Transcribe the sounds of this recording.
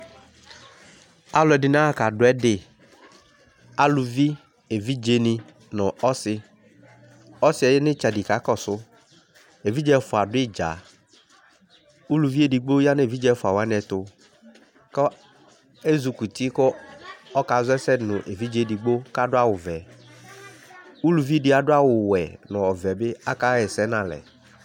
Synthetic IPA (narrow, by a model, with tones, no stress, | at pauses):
a˦lʊ˨ɛ˨dɪ˨n˦a˦˨ka˨dʊ˨˦ɛ˦dɪ˨ | a˦lu˨vi˦ | e˨vi˦d͡ʒe˨˦nɪ˨ | nʊ̃˨ɔ˦sɪ˦ | ɔ˦sɪ˨˦ɛ˨jnɪ˦t͡ʃa˨di˨ka˨˦kɔ˦sʊ˦ | e˨vi˦d͡ʒɛ˦fʊ˨a˨dʊ˦ɪ˦d͡ʒa̰˨ | u˦lu˨vi˦e˦˨di˨ɡ͡bo˦ja˦n˦e˨vi˦d͡ʒɛ˦fʊ˨a˨wa˨˦n˦ɛ˨t̪ʊ˦ | kɔ˦ | e˦zu˨ku˨t̪i˦kɔ˦ɔ˦ka˨zʊ˦ɛ˦sɛ˦nʊ̃˨ʔe˨vi˦d͡ʒe˦di˨ɡ͡bo˦ka˦dʊ˦a˦wʊ˨vɛ˨ | u˦lu˨vi˦dɪ˦a˨dʊ˦a˦wʊ˨wɛ˨nɔ̃˨ɔ˨vɛ˨bɪ˦a˦ka˦ɛ˨sɛ˦nã˨lɛ̰˨